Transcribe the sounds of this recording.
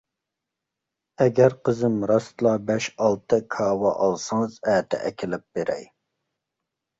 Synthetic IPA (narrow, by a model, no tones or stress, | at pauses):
ɛɡʲæɾqʰəzɨmɾɑst̪ɨlˠɑbɛʃɑlˠt̪ʰɨkʰɑːwɑʔɑlˠsɑŋzæːt̪ʰɛ̰ʔɛkʲʰɪlɪp̚b̥eɾɛ̰j